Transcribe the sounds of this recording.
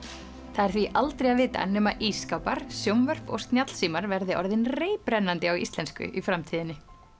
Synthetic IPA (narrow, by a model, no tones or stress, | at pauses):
θaðɛɾ̥θviʔalt̪ɾejavɪːt̪a̰nɛːmaʔiskawpaɾ̥sjowmvœr̥pɔ̰ɣst̪njat̪l̥siːmaɾvɛɾðɪʔɔɾðɪnreːjpɾɛnːant̪ɪawḭst̪lɛnskʏ̰ʔifɾamt̪ʰiːðɪnːɪ